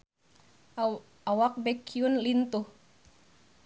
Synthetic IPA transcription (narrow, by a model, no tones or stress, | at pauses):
awak̚bɛkiunlint̪uh